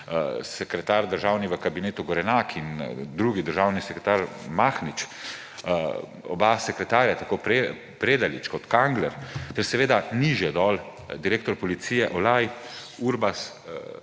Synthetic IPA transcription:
sɛkɾɛt̪aɾd̪əɾʒawniʋəkabineːt̪uɡɔɾɛnakʰind̪ɾuːɡid̪əɾʒawnisɛkɾɛt̪aɾ | maxnit͡ʃ | ɔ̰basɛkɾɛt̪aːɾjat̪akopɾe | pɾeːd̪alḭt͡ʃkɔt̪kaŋɡlɛɾt̪ɛɾsɛʋeːd̪aniʒjɛd̪ɔːl | d̪iɾeːkt̪ɔɾpɔlit̪siːjɛʔɔlaj | uːɾbas

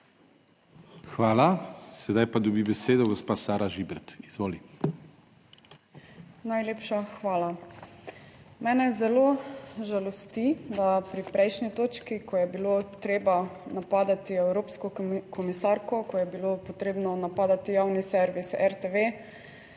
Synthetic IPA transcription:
xʋaːlasɛd̪ajpad̪ɔbibɛseːd̪ɔɡospaːsaːɾaʒibɛɾt̪izʋoːli | najleːpʃaxʋaːla | mɛːnɛzɛloʒalɔst̪id̪apɾipɾɛjʃnit̪oːt͡ʃkikʰɔjɛbilot̪ɾeːbanapaːd̪at̪iɛwɾoːpskɔkʰɔmisaɾkɔkɔjɛbilopɔt̪ɾeːbnɔnapaːd̪at̪ijaːwnisɛɾʋisɛɾt̪eʋe

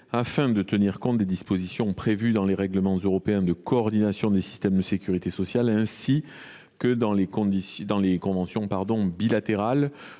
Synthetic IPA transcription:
afɛ̃d̪ət̪əniʁkɔ̃t̪̚d̪ed̪ispozisjɔ̃pχevyd̪ɑ̃leʁɛɡləmɑ̃zøʁɔpeɛ̃d̪əkɔːʁd̪inasjɔ̃d̪esi̥st̪ɛmd̪əsekʲyʁit̪esɔsjalɛ̃si | kəd̪ɑ̃lekɔ̃d̪isd̪ɑ̃lekɔ̃vɑ̃sjɔ̃paʁd̪ɔ̃bilat̪eʁal

